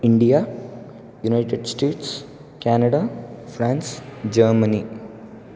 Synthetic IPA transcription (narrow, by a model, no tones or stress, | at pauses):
iɳɖija | junajʈeɖsʈeːʈs | kæːnɐɽafɾãːnsd͡ʒəːɾmɐni